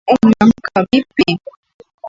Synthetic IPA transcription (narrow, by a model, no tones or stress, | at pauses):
ʊmaŋkaɪpɪ